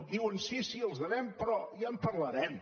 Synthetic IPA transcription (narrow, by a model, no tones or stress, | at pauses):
d̪iwənsisiəlˠzðənɛmpɾɔjampəɾləɾɛm